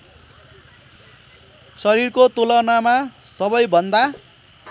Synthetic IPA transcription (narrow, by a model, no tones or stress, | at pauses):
sʌɾirkot̪olʌnamasʌbʌjbʱʌnd̪a